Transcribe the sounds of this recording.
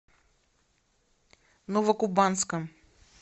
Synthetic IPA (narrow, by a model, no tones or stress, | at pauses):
novɐkubanskəm